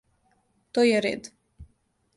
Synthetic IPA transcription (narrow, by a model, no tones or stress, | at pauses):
t̪ojɛɾɛ̰d̪